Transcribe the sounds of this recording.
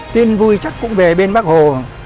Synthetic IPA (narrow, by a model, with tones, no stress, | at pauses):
t̪i˧nvu˧jt͡ɕa˦˥k̚kʊ̰˧˥ŋ͡mve˨˩ɓe˧nɓaː˦˥k̚ho˨˩